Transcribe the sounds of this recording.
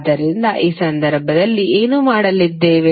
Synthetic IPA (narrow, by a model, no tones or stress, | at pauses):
d̪ːɐɾind̪ɐʔiːsɐnd̪ɐɾbʱɐd̪ɐlːiʔe̞ːnumaːɽɐlid̪ːe̞ːʋe